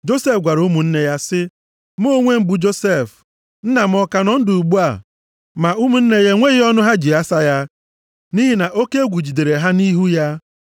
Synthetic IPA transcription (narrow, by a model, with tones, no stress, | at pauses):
d͡ʒo˦se˦fɡʷa˨ɾu˦mu˨n̩˦ne˦ja˦sɪ˦ | m˦o˦ŋʷe˦m̩˦˨bu˨d͡ʒo˦se˦˨f | n̩˦na˨m̩˦ɔ˦ka˨nɔ˦n̩˦dʊ˨u˨ɡ͡bu˦a˨ | ma˨u˦mu˨n̩˦ne˦je˦ŋʷe˦ɣɪ˦ɔ˦nʊ˦ɦa˦d͡ʒi˨a˦sa˦ja˦ | ni˦ɦi˦na˨ʔo˦ke˦e˦ɡʷu˨d͡ʒi˨de˨ɾe˨ɦa˦ni˦ɦu˦ja˦